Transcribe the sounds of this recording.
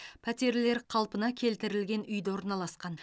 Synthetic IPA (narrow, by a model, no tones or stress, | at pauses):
pʰæt̪e̞ɾle̞ɾqʰɑlˠpənɑkʲʰe̞lt̪ɪɾɪlɡʲe̞nʏjd̪ɪwo̞ɾnɑlˠɑsqɑn